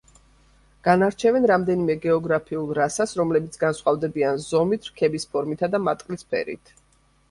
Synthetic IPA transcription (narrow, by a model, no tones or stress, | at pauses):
ɡ̥anaɾt͡ʃʰɛvɛnɾamd̪ɛnimɛɡɛɔɡɾapʰiulˠɾasasɾɔmlɛbit̪sʰɡansχwavd̪ɛbianzɔmit̪ʰɾkʰɛbispʰɔɾmit̪ʰad̪amat̪ʼqʼlispʰɛ̰ɾḭt̪ʰ